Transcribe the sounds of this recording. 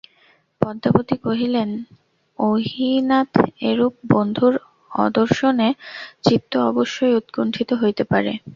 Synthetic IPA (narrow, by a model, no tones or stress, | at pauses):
pɔd̪ʱːapot̪ikoɦilen | oɦinat̪eɾup̚bond̪ʱuɾ | ɔ̰d̪oɾʃonet͡ɕit̪ːoɔboʃːoeut̪koɳʈʰit̪oɦojt̪epaɾḛ